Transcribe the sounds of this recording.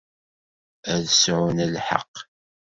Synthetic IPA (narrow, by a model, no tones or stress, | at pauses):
æðəsʕʊnəlħə̰qː